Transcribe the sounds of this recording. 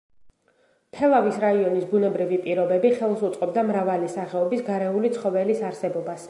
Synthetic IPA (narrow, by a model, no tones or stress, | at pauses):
pʰɛlˠavisɾaiɔnisbunɛbɾivipʼiɾɔbɛbiχɛlˠsut̪sʼqʼɔb̚d̪amɾavalisaχɛɔbisɡaɾɛulit̪sʰχɔvɛlisaɾsɛbɔbas